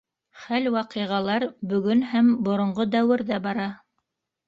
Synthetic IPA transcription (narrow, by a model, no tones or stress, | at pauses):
χælwɑqɤ̆jʁɑlˠɑɾbɵ̆ɡɵnɦæmbŏɾŏɴʁod̪æwɘ̆ɾðæbɑɾɑ